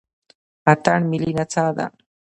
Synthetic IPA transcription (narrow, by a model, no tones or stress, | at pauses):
at̪anmilinat͡sad̪a̰